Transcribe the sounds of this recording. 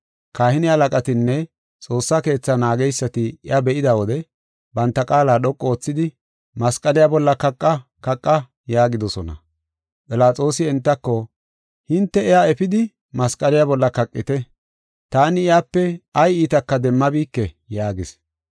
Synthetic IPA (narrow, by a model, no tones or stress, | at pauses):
kaːhɪnɪhɐlɐkʼɐt̪ɪnːɛ | t͡sʼo̞ːsːake̞ːt͡sːɐnaːɡɛjsːɐt̪ɪɪʔabɛʔɪd̪ɐwɔd̪ɛ | bɐnt̪ːɐkʼaːlaːɗɔkʼːɔoːt͡sːɪd̪ɪ | mɐskʼɐlɪjaːbɔlːɐkɐkʼːɐ | kɐkʼːɐ | jaːɡɪd̪ɔsɔnɐ̰ | pʼɪlaːt͡sʼo̞ːsɪɛnt̪ːɐkːɔ | hɪnt̪ːɛɛjaɛfɪd̪ɪ | mɐskʼɐlɪjabɔlːɐkɐkʼːɪt̪ɛ | t̪aːnɪɪjaːpːɛɐjiːt̪ɐkːɐd̪ɛmːɐbiːkːɛ | jaːɡɪs